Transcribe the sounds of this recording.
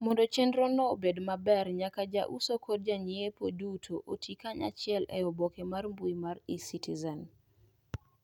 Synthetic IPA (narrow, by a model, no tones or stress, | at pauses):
mɔndɔt͡ʃɛndɾɔnɔbedmabɛrɲakad͡ʒa̰ʔusokʰɔd̚d͡ʒaɲiepodutʰoʔotʰikaɲa̰t͡ʃɪɛlɛ̰ɔbɔkemarmbujmaɾisitizɛn